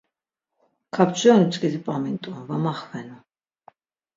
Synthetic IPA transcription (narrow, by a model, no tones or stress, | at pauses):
kʰapt͡ʃʰʼɛnut͡sʼkʼɛzipʼamint̪ʼuvamaχvɛnu